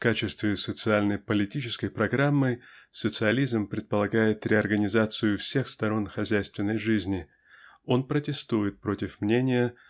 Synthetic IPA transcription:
fkat͡ɕɪst̪vʲɪsət̪sɨalʲnəjpəlʲɪtʲit͡ɕɪskəjpɾɐɡɾamːɨsət̪sɨɐlʲizmpɾʲɪt̪̚pəlˠɐɡajɪt̪ɾʲɪɐrɡənʲɪzat̪sɨjʊfsʲe̞xst̪ɐɾo̞nxɐzʲæjst̪vʲɪnːəjʐɨzʲnʲɪ | o̞npɾətʲɪst̪ujɪt̪̚pɾo̞tʲɪfmnʲenʲɪjə

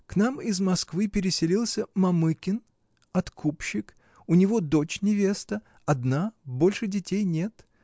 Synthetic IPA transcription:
knamɪzmɐskvɨpʲɪɾʲɪsʲɪlʲilˠsʲəmɐmɨkʲɪn | ɐt̪kʰupɕːɪk | ʊnʲɪvo̞d̪o̞t͡ɕnʲɪvʲe̞st̪ə | ɐd̪nabo̞lʲʂɨdʲɪtʲejnʲe̞t̪

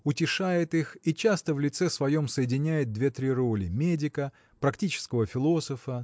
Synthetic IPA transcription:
ʊtʲɪʂajɪt̪ixit͡ɕast̪əvlʲɪt̪sɛsvɐjo̞msəjɪdʲɪnʲæjɪt̪̚d̪vʲe̞t̪ɾʲiɾo̞lʲɪmʲedʲɪkə | pɾɐktʲit͡ɕɪ̥skəvəfʲɪlˠo̞səfə

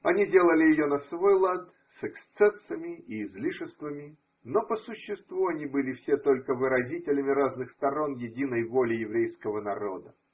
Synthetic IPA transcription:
ɐnʲidʲe̞lˠəlʲɪjɪjonɐsvojlˠat̪ | sɛkst̪sɛsːəmʲɪʔiːzlʲiʂɨst̪vəmʲɪ | nopəsʊɕːɪst̪vuɐnʲibɨlʲɪfsʲet̪o̞lʲkəvɨɾɐzʲitʲɪlʲəmʲɪɾaznɨxst̪ɐɾo̞njɪdʲinəjvolʲɪjɪvɾʲejskəvənɐɾo̞̰d̪ə

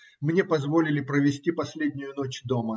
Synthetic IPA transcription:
mnʲepɐzvo̞lʲɪlʲɪpɾəvʲɪsʲtʲipɐsʲlʲedʲnʲʊjʊnot͡ɕd̪o̞mə

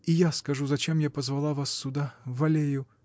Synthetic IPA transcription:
ijaskɐʐuzɐt͡ɕemjapəzvɐlˠavasːʊd̪avɐlʲejʊ

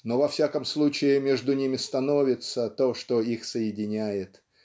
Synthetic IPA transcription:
no̞vɐfsʲakəmslˠut͡ɕɪɪmʲeʐd̪ʊnʲimʲɪst̪ɐno̞vʲɪt̪sət̪o̞ʂt̪oixsəjɪdʲɪnʲæjɪt̪

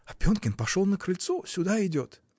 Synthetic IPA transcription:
ɐpʲonkʲɪnpɐʂolˠnəkɾɨlʲt̪sosʲʊd̪aɪdʲo̞t̪

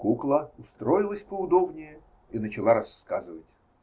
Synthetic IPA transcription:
kuklˠəʊst̪ɾojɪlˠəsʲpəʊd̪o̞bnʲɪjə | inət͡ɕɪlˠaɾɐskazɨvətʲ

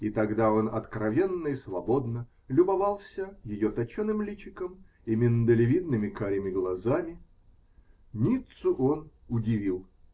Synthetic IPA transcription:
it̪ɐɡd̪ao̞nɐ̰t̪kɾɐvʲenːəisvɐbo̞d̪nə | lʲʊbɐvɑlˠsʲəjɪjot̪ɐt͡ɕonɨmlʲit͡ɕɪkəm | imʲɪnəd̪əlʲɪvʲid̪nɨmʲɪkaɾʲɪmʲɪɡlˠɐzamʲɪ | nʲit̪sʊʔonʊdʲɪvʲilˠ

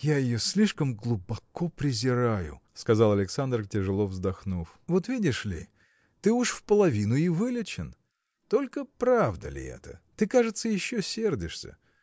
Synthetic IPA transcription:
jajɪjosʲlʲiʂkəmɡlˠubɐko̞pɾʲɪzʲɪɾajʊ̰skɐzalˠɐlʲɪksand̪rtʲɪʐɨlˠo̞vzd̪ɐxnuf | vo̞t̪vʲidʲɪʂlʲɪ̰ | t̪ɨuʂfpəlˠɐvʲinʊivɨlʲɪt͡ɕɪn | t̪o̞lʲkəpɾavd̪ə̰lʲɪ̰ɛ̰t̪ə̰t̪ɨkaʐɨt̪səjɪɕːosʲe̞rdʲɪʂsʲə̰

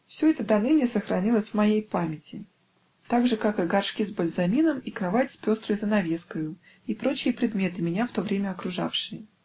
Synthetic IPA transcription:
fsʲoɛt̪əd̪ɐnɨnʲɪsəxɾɐnʲilˠəsʲvmɐjejpamʲɪtʲɪ | t̪aɡʐɨkakɨɡɐrʂkʲizbəlʲzɐmʲinəmikɾɐvatʲsʲpʲo̞st̪ɾəjzənɐvʲe̞skəjʊ | ipɾo̞t͡ɕɪjəpɾʲɪd̪mʲe̞t̪ɨmʲɪnʲaft̪o̞vɾʲemʲəɐkɾʊʐa̰fʂɨjə

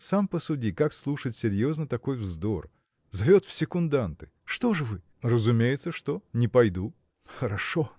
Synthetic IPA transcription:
sampəsʊdʲikakslˠuʂətʲsʲɪɾʲjo̞znət̪ɐko̞jvzd̪o̞r | zɐvʲo̞t̪fsʲɪkʊnd̪ant̪ɨ̥ | ʂt̪o̞ʐɨvɨ | rəzʊmʲejɪt̪səʂt̪o̞nʲɪpɐjd̪u | xəɾɐʂo

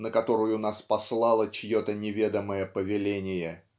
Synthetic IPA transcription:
nəkɐt̪o̞ɾʊjʊnaspɐslˠalˠət͡ɕɪjot̪ənʲɪvʲe̞d̪əməjəpəvʲɪlʲenʲɪjə

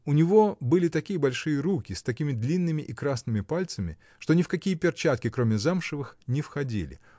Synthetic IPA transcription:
ʊnʲɪvo̞bɨlʲɪt̪ɐkʲijəbɐlʲʂɨjəɾukʲɪst̪ɐkʲimʲɪd̪lʲinːɨmʲɪʔikɾasnɨmʲɪpalʲt̪səmʲɪ̰ | ʂt̪o̞nʲɪfkɐkʲijəpʲɪrt͡ɕat̪̚kʲɪkɾo̞mʲɪzamʂɨvɨxnʲɪfxɐdʲḭlʲɪ̰

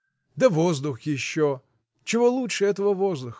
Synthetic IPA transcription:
d̪ɛʋɔzd̪ʊxjɪʃːɔ | t͡ʃɪʋɔlˠutɛɛt̪ɔʋɔʋɔzd̪ʊx

